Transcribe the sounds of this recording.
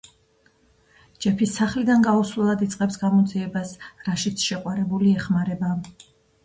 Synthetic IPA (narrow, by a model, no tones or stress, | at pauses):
d͡ʒɛpʰisaχlid̪anɡauslɛlˠad̪it̪sʼqʼɛpsɡamɔd̪ziɛbasɾaʃit̪sʰʃɛqʼwaɾɛbuliɛχmaɾɛba